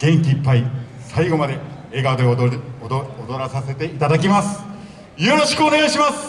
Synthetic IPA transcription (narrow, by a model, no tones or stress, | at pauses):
ɡ̥ẽ̞ŋkʲiːpːai | saiɡo̞mad̪e̞ | eːɡad̪e | od̪oɾasase̞t̪e̞it̪ad̪ak̬ʲimasɨ̥ | jo̞ɾo̞ɕi̥kɯone̞ɡaiɕimasɨ̥